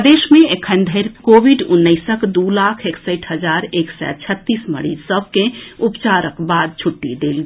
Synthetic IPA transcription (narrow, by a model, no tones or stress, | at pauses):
d̪esmẽekʰənd̪ʱəɪɾkobʱiɖunːəɪsəkd̪ulakʰeksəɪʈʰɦəd͡ʒaɾeksɛ̰t͡ʃʰət̪ːismə̰ɽisəb̚ʱkẽupt͡ʃaɾəkbad̪̚t͡ʃʰuʈːid̪elɡ